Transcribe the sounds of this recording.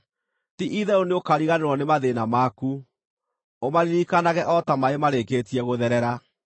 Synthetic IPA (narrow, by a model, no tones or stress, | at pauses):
tiʔiðɛoneokaɾiɣaneɾwɔnemaðenamaku | omaɾiɾikanaɣɛʔɔtamaemaɾeketiɛɣoðɛɾɛɾa